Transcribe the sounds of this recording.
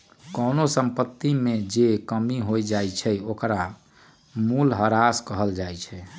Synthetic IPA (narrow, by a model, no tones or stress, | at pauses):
kənosəmpət̪ːimed͡ʒekəmiɦojd͡ʒajt͡ʃʰɛokɾa | mulɦəɾaskəɦəld͡ʒajt͡ʃʰɛ